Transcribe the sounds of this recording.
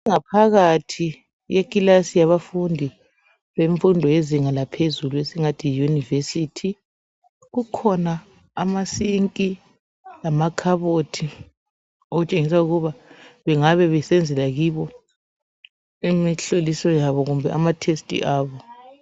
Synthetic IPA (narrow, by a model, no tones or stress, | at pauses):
ŋapʰaɣatʰi | jekʼilasijaβafundʱi | βeɱfundʱɔeziŋalapʰezuluesiŋatʰijunivesitʰi | ɣukʰɔnaː | masiŋkʼi | lamakʰaβotʰi | oɣut͡ʃʼeŋisauɣuβaβɛŋaβɛβɛsɛnd͡zʱɛlaɣiβɔ | imiɬolisɔjaβɔɣumbʱɛ̰ʔa̰matʰestʼḭʔaːβɔ